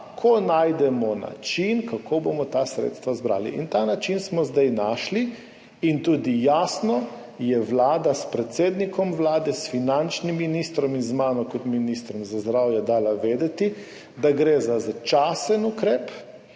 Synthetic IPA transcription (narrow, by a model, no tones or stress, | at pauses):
kʰɔnajd̪ɛmɔna̰t͡ʃinkakʰobomɔt̪asɾḛːt̪st̪ʋazbɾa̰ːlḭʔḭnt̪aːnat͡ʃinsmɔzd̪ajnaʃli | int̪uːd̪ijaːsnɔ | jɛʋlaːd̪aspɾɛt̪seːd̪nikʰɔmʋlaːd̪ɛsfinant͡ʃnimːinist̪ɾɔminzmaːnɔkɔt̪minist̪ɾɔmzazd̪ɾawjɛd̪aːlaʋeːd̪ɛt̪i | d̪aɡɾeːzazat͡ʃasənukɾeːp